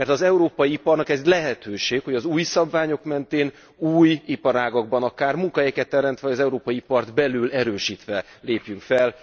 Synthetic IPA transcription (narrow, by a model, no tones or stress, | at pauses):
mɛrt̪ɒzɛuɾoːpɒjiipɒrnɒkɛzlɛɦɛt̪øːʃeːkho̞ɟɒzuːjsɒbvaːɲo̞kmɛnt̪eːn | uːjipɒɾaːɡɒɡ̚bɒnɒkaːrmuŋkɒɦɛjkɛt̪ːɛɾɛmt̪ʋɛɒɟɒzɛuɾoːpɒjiipɒrd̪bɛlylɛɾøːʃiːt̪ʋɛ | leːpjyŋkfɛl